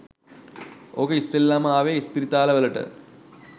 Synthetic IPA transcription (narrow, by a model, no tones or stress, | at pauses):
okɐistelːamaːʋeːispiɾit̪aːlɐʋɐlɐʈɨ̰